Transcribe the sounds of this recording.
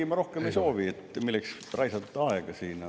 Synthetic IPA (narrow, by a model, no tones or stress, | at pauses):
imɑɾo̞hkemeisoːʋiet̪ːˑmilːeks | rɑjsɑt̪ːˑɑeɡ̥ɑsiːn